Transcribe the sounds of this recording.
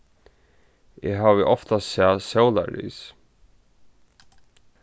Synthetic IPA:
ɛɦaːvɪʔɔft̪asɛːsɛwla̰ɹḭːs

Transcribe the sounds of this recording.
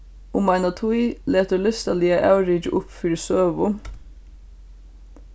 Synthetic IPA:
ʊmɑɪnɑt̪ʰuɪleːt̪əlʏst̪ɑliːɑʔæʉɾɪd͡ʒʔʊpfyɹsøːʋʊ

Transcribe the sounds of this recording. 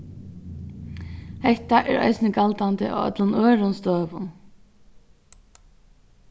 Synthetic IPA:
hɛht̪aʔɛɹa̰jsnɪkalt̪ant̪ɪʔa̰œ̰t̪lʊnœːɹʊnst̪œːʋʊn

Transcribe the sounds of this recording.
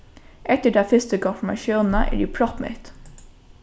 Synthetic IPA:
ʔɛt̪əɖæɪfɪst̪əkʰɔfɔmɑ̰ʃjuːnn̩ə̰ʔæ̰ːɾɖiːpʰɾɔt̪mɛ̰t̪

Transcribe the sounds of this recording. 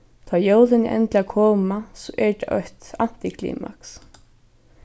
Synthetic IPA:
t̪ʰɑːjowlɪnɪʔɛ̰nt̪lakʰoːmasɔʔɛɹt̪a̰œht̪an̥t̪ɪkʰlḭːma̰ks

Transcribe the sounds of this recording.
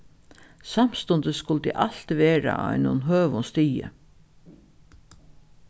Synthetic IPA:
sam̥st̪ɔnd̪əskʊlt̪ḭʔaɬt̪ʋeːɾa̰a̰jnʊ̰nɦøːʋʊnst̪iːjə̰

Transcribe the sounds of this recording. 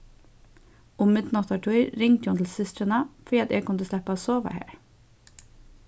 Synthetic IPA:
ʊmːɪd̪nɔt̪ɑʈʰœʏɾɾɪŋt̪jɔːnt̪l̩sɪst̪ɾənɑfɹiːɑt̪ɛːɡ̚kʰʊnd̪əslɛpasoːʋa̰hḛːɹ

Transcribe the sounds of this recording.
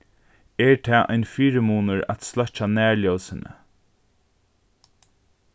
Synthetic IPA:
ɛɹt̪ʰɛːʔa̰ɪnfiːɾəmuːnəɹa̰t̪slœt͡ʃanæːɹljɔwsɪnə̰

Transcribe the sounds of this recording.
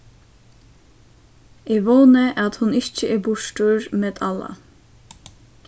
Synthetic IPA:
eːʋoːnəʔɑt̪hʊnɪt͡ʃəʔeːbʊʃʈuːɹmeːd̪ʰɑlɑ̰

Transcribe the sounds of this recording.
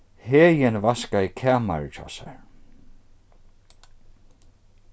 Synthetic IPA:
heːjɪnvaskaikʰaːma̰ɹt͡ʃɔ̰ːsa̰ɹ

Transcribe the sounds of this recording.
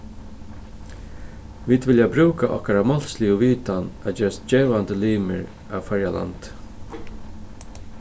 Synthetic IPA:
ʋiːd̪ʋɪljabɾuːkaʔɔ̰hkaɾamɔl̥slɪʊʋiːt̪ana̰d͡ʒɛːɾast̪d͡ʒeːvand̪əliːmə̰ɹ | aʋfɛɹjala̰nt̪

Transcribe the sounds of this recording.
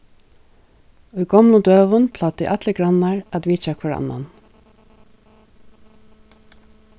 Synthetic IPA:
ʊjɡɔmlʊnd̪øːʋʊnpʰl̥at̪ɪ̰ʔat̪lɪɡɾanːaɹat̪ʋiːt͡ʃakʰvaɹa̰nːa̰n

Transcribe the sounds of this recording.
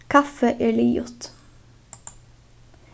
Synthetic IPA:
kʰɑfəʔeːɭiːjʊ̰t̪

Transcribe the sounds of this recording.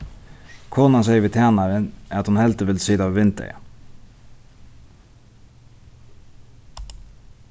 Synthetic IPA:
kʰɔnɑseʏʋɪːt̪ʰæːnɑɾənæːɑt̪hʊnhɛlt̪əʋɪlsiːd̪ɑːʋʋɪnt̪ə̰

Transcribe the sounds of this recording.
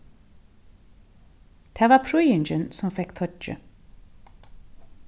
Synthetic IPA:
d̪̥eːʋɑːpʰɾʊjʏnd͡ʒənsɔmfɛkt̪ʰɔt͡ʃə̰

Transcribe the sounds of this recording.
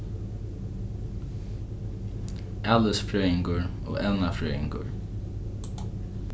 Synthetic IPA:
ʔaːləsfɹœːɪŋkʊɹ | o̰ːɛwnafɹœːɪŋkʊ̰ɹ

